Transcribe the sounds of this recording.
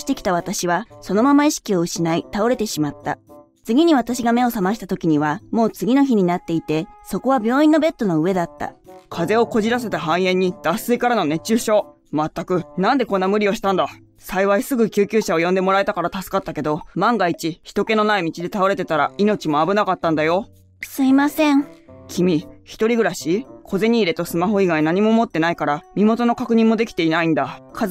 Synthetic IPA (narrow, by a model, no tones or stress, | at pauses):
i̥t̪e̞kʲi̥t̪aβat̪aɕiβaso̞no̞mamaiɕi̥kʲio̞ɯ̟ɕinait̪ao̞ɾe̞t̪e̞ɕimat̪ːa̰ | t͡sɨɡʲiɲ̟iβ̞at̪aɕiɡame̞o̞samaɕ̬i̥t̪at̪o̞kʲiɲ̟iβamo̞ːt͡sɨɡʲino̞çiɲ̟inat̪ːe̞it̪e̞so̞ko̞β̞abʲjo̞ːĩnːo̞be̞t̪ːo̞no̞ɯ̟βe̞d̪at̪ːa̰kʰaze̞o̞ko̞ʑiɾase̞t̪aɦãɰ̃ẽ̞ɲ̟ːid̪̥asɨikaɾano̞ne̞t͡ɕːɨːɕo̞ː | mat̪ːakɯ̟nãnd̪e̞kõ̞nːamɯ̟ɾʲio̞ɕi̥t̪ãnd̪a | saiβaisɨɡɯ̟kʲɨːkʲɨːɕao̞jõ̞nd̪e̞mo̞ɾae̞t̪akaɾat̪asɨ̥kat̪ːake̞d̪o̞mãŋɡait͡ɕiçi̥t̪o̞ke̞no̞naimʲit͡ɕid̪e̞t̪ao̞ɾe̞t̪e̞t̪aɾaino̞t͡ɕimo̞abɯ̟nakat̪ːãnd̪ajo̞ | sɨimasẽŋkʲʰimʲiçi̥t̪o̞ɾʲiɡɯ̟ɾaɕikʰo̞ze̞ɲ̟iːɾe̞t̪o̞sɨmaɦo̞iɡainaɲ̟imo̞mo̞t̪ːe̞naikaɾamʲimo̞t̪o̞no̞kakɯ̟ɲ̟ĩmːo̞d̪e̞kʲi̥t̪e̞inaĩnd̪akʰa